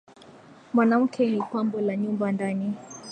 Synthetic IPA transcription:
mwanam̩kʰɛnipwambɔlaɲumbandani

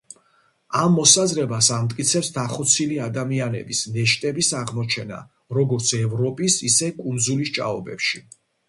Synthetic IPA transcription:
amːɔsazɾɛbasamt̪ʼkʼit̪sʰɛpsd̪aχɔt̪sʰiliad̪amianɛ̰bisnɛʃt̪ʼɛbisaʁmɔt͡ʃʰɛna̰ | ɾɔɡɔɾt̪sʰɛvɾɔpʼisisɛkʼund̪zulist͡ʃʼa̰ɔbɛ̰pʃi

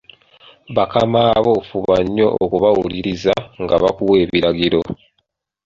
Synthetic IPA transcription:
βakamaːβofuβaɲːo̞ʔːkuβawuliɾizaŋɡaβakuwe̞ːβiɾaɡiɾo

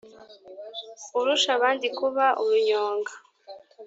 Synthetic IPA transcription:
uɾuʃaβaːndikuβaʔuɾuɲoːŋɡa

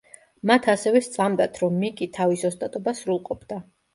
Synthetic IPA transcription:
mat̪ʰasɛvɛst̪sʼamd̪at̪ʰɾɔmːikʼit̪ʰavisɔst̪ʼat̪ʼɔbasɾulˠqʼɔpʰd̪a

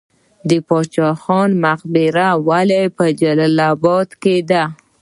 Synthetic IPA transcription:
d̪əpɑt͡ʃɑxɑnmaqbɪɾawalajpəd͡ʒalɑlabɔd̪ked̪a

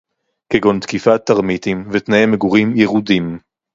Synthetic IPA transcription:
keɡont̪kifat̪ːaʁmit̪imvet̪naemeɡuʁimjeʁud̪im

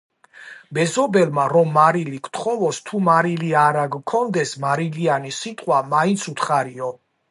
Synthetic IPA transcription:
bɛzɔbɛlmaɾɔmːaɾilikʰt̪ʰχɔvɔst̪ʰumaɾiliaɾaɡkʰːɔnd̪ɛsmaɾilianisit̪ʼqʼwamaint̪sʰut̪ʰχaɾiɔ

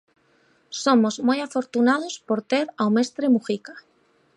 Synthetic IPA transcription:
somozmojafoɾt̪unað̞ospoɾt̪eɾawmest̪ɾemuxikḁ

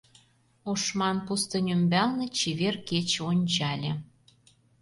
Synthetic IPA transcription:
oʃmɑnpust̪ɤ̆nʲymbælnĕt͡ɕiβerket͡ɕonʲt͡ɕɑlʲĕ

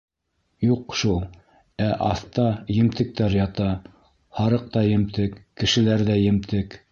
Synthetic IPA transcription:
juqʃulˠ | æʔɑθt̪ɑjɘ̆mt̪ɘ̆k̚t̪æɾjɑt̪ɑ | hɑɾɤq̚t̪ɑjɘ̆mt̪ɘkːɘ̆ʃɘ̆læɾðæjɘ̆mt̪ʰɘk

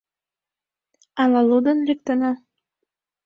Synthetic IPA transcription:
ɑlɑlud̪ənlʲek̚t̪ənɑ

